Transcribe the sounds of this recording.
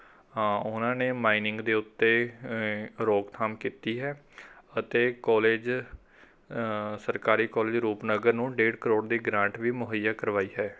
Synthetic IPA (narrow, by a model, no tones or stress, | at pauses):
ʊnãːneːmaːinɪ̃ŋɡd̪eːʊt̪ːeː | ɾoːkt̪ʰaːmkiːt̪iːɦɛː | ət̪eːkɔːleːd͡ʒ | səɾkaːɾiːkɔːleːd͡ʒɾuːpnəɡəɾnũːɖeːɖkəɾoːɖd̪iːɡɾãːɳʈʋiːmʊɦəjːaːkəɾʋaːiːɦɛː